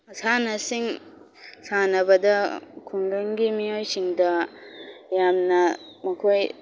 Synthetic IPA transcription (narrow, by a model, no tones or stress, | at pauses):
sanɐsiŋ | sanɐbɐdɐkʰuŋɡaŋɡimijojsiŋdɐ | jamnɐ | mɐkʰoj